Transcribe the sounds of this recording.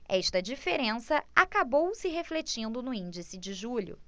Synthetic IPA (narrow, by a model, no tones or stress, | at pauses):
ɛʃt̪ɐd͡ʒifeɾẽsɐakabowsɪɦeflet͡ʃĩnd̪ʊnʊĩnd͡ʒisɪd͡ʒɪʒuʎʊ̰